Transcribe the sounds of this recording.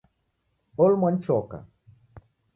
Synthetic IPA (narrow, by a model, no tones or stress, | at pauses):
olmwan̩t͡ʃɔka̰